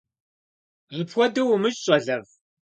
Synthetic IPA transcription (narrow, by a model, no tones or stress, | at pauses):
ipʰxʷɔdɨwʊmɨɕʼɕʼɐɮɐv